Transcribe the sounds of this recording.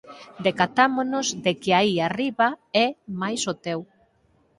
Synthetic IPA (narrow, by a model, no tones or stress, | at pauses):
d̪ekat̪amonozd̪ekɪaiariβaɛmajsot̪ɛw